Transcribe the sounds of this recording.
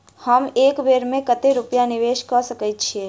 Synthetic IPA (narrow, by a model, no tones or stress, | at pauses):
həmeːkʋeːɾmẽkət̪eɾupjanɪʋeːʃkəsəkətt͡ʃʰeː